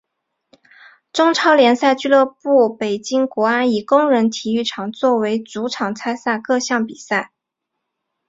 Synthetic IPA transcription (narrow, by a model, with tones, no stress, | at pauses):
ʈ͡ʂʊ˥ŋʈ͡ʂʰɑ˥ʊljɛ˧˥nsa˥˧ɪt͡ɕy˥˧lɤ˥˧pu˥˩pe˨˩ɪt͡ɕi˥ŋkwɔ˧˥a˥ni˨˩kʊ˥ŋɻə˧˥nt̪ʰi˨˩y˥˩ʈ͡ʂʰɑ˨˩ŋt͡swɔ˥˩we˧˥ɪt͡su˧˥ʈ͡ʂʰɑ˨˩ŋt͡sʰa˥ɪsa˥˧kɤ˥˧ɕjɑ˥˩ŋpi˨˩sa˥˩ɪ